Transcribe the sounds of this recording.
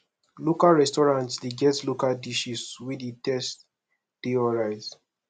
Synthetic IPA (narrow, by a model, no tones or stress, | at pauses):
lokalɹɛstɔɹãntsliɡɛtslokaldiʃiswiditɛst | d̥eɔɹaɪz